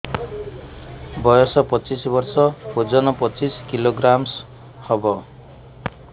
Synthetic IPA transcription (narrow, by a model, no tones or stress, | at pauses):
bɔjɔsɔpɔt͡ʃisbɔɾsɔpod͡ʒɔnɔpɔt͡ʃiskiloɡɾams | hɔbɔ